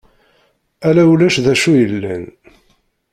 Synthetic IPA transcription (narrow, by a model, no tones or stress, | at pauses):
ælæulæʃðæʃujəlːæ̰n